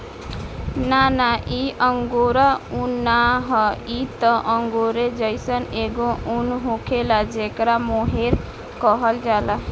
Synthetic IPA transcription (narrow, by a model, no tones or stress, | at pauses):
nanaʔiʔəŋɡoɾaunːaɦəit̪ɔʔəŋɡoɾed͡ʒəjsəneɡounɦukʰelad͡ʒekɾamoɦeɾ | kəɦəld͡ʒala